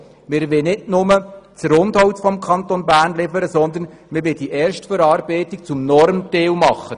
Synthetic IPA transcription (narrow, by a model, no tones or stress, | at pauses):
mɪɾʋɪnɪdnʊmət͡sɾʊnd̪hɔwtfɔmkʰɑnt̪onbæːrnlɪfəɾəsɔnd̪ən | mɪɾʋɪd̥iʔɛːɾʃtfəɾɑːɾbɛɪt̪ik̚t͡sʊmnɔɾmt̪eːwmɑχːə